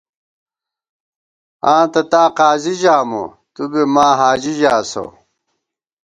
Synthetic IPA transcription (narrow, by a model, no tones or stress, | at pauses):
ãːt̪ɐt̪aːqaːziʑaːmo̰ | t̪ubemaːɦaːd͡ʑiʑaːso̰